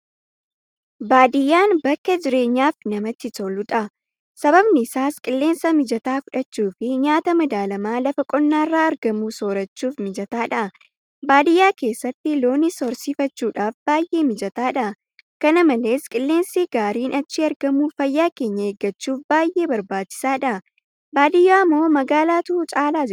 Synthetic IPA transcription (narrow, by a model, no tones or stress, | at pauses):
baːd̪ɪjːaːnbɐkːɐd͡ʒɪɾe̞ːɲːaːfnɐmɐt̪ːɪt̪olʊᶑ̪ʼɐ | sɐbɐbnɪɪsaːskʼɪlːe̞ːnsɐmɪd͡ʒɐt̪aːfʊᶑɐt͡ʃːuːfɪɲaːt̪ɐmɐd̪aːlɐmaːlɐfɐkʼɔnːaːrːaːɐɾɡɐmuːso̞ːɾɐt͡ʃːuːfmɪd͡ʒɐt̪aːᶑɐ | baːd̪ɪjːaːke̞ːsːɐt̪ːɪlo̞ːnɪsɔɾsiːfɐt͡ʃːuːᶑaːfbaːjʔeːmɪd͡ʒɐt̪aːᶑɐ | kɐnɐmɐle̞ːskʼɪlːe̞ːnsiːɡaːɾiːnʔɐt͡ʃːiɐɾɡɐmuːfɐjːaːke̞ːɲːɐeɡːɐt͡ʃːuːfbaːjʔe̞ːbɐɾbaːt͡ʃːɪ̥saːᶑɐ | baːd̪ɪjːaːmːo̞ːmɐɡaːlaːt̪ʊːt͡ʃʼaːlaːd͡ʒ